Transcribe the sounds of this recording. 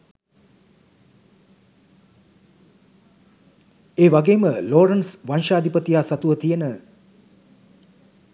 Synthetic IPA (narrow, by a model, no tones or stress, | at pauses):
eːʋaɡeːməloːɾənsʋanʃaːd̪ipət̪ijaːsat̪uʋət̪ijənə